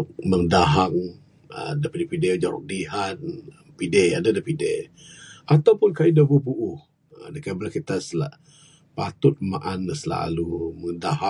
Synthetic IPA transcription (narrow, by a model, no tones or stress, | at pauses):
məŋdaɦaŋ | ə̰dapidepided͡ʒaɾʊ̰k̚diɦan̚ | pideadadapidḛ | ʔat̪awpʊnkaidabubuʔʊh | dəkabəlakit̪asəlaʔ | pat̪ʊt̪̚maʔanːəsəla̰luməŋdaɦa